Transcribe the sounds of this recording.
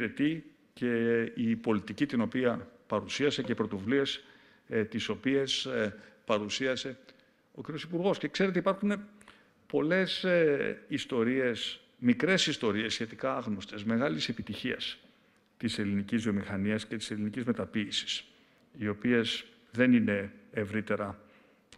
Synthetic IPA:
ɾet̪i | ceipo̞lit̪icit̪ino̞piɐpɐɾusiɐse̞ceipɾo̞t̪o̞vulies | t̪iso̞pie̞spɐɾusiɐse̞ | ociɾio̞sipuɾɣo̞sce̞kse̞ɾet̪eipɐɾxune̞ | po̞le̞s | ist̪o̞ɾie̞s | mikɾe̞sist̪o̞ɾie̞sːçe̞t̪ikɐɐɣno̞st̪e̞sme̞ɣɐlise̞pit̪içiɐ̰s | t̪ise̞linicizðio̞mixɐniɐsce̞t̪i̥se̞linicizme̞t̪ɐpiːsi̥s | io̞pie̞s | ðe̞nine̞ːvɾit̪e̞ɾɐ

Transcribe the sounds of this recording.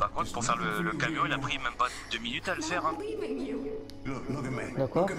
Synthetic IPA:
paʁkɔ̃t̪puʁfɛʁlələkamjɔ̃ilapχimɛmpad̪øminyt̪aləfɛʁɛ̃ | d̪akɔʁ

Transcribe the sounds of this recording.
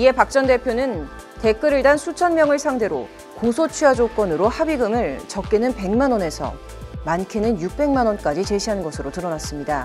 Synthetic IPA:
ie̞pak̚t͡ɕ͈ʌnde̞pʰjonɯnte̞k͈ɯɾɯɭdansʰut͡ɕʰʌnmjʌŋɯɭsʰaŋde̞ɾo̰ | kosʰot͡ɕʰɥiad͡ʑok͈wʌnɯɾohabiɡɯmɯɭt͡ɕʌk͈enɯnpe̞ŋmanwʌne̞sʰʌ̰ | mankʰinɯnjuk̚p͈e̞ŋmanwʌnk͈ad͡ʑit͡ɕe̞ɕʰiɦanɯnɡʌsʰɯɾotɯɾʌnas͈ɯmɲida

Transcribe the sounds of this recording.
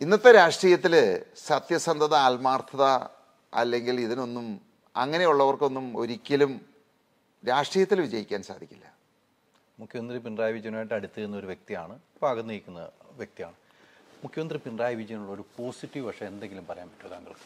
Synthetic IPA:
inːɐt̪ːeɾaːʂʈriːjɐt̪ːilɨsɐt̪jɐsɐnd̪ʱɐðɐaːlmaːrt̪ʰɐðɐ | ɐ̰lːe̞ŋɡiliðino̞nːum | ɐ̰ŋːɐne̞juɭːɐʋɐrko̞nːumo̞ɾikʲːɐlum | ɾaːʂʈriːjɐt̪ːilʋid͡ʑɐjikʲːaːnsaːd̪ʱikʲːilːɐ | mukʰjɐmɐnd̪ripinraːjʋid͡ʑjɐnaːjiʈːɐɽit̪ːɨunːɐo̞ɾuʋjek̚t̪ijaːɳɨbʱaːɣɐnːijikʲːunːɐʋjek̚t̪ija̰ːɳɨmukʰjɐmɐnd̪ripinraːjɐʋid͡ʑɐjɐnuɭːɐoɾupo̞ːsiʈːiʋʋɐʂɐend̪e̞ŋɡilumpɐrɐjaːnpɐ̥ʈːuɐðaːŋɡɐɭ

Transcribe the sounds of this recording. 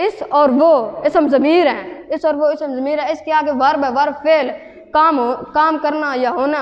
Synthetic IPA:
ɪsɔːɾʋoɪsɦəmzəmiːɾɦɛ̃ːɪsɔːɾʋoɪsɦəmzəmiːɾɦɛ̃ɪskeaːɡeʋəɾbɛʋəɾpʰeːl | kaːmkaːmkəɾnajaɦoːna

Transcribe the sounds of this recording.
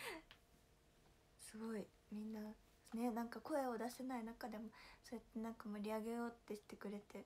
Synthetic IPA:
sɨɡo̞i | mʲĩnːa | ne̞nãŋkako̞e̞o̞d̪aɕi̥t̪enainakad̪e̞mo̞so̞et̪ːe̞nãŋkamoɾʲiaɡe̞jo̞ːt̪ːe̞ɕi̥t̪ːe̞kɯ̟ɾe̞t̪e̞

